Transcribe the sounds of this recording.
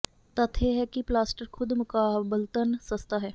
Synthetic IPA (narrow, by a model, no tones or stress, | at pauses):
t̪ɐt̪ʰeɦɛkiplaːsʈəɾkʰʊd̪mʊkaːbəlt̪ənsɐst̪aɦɛː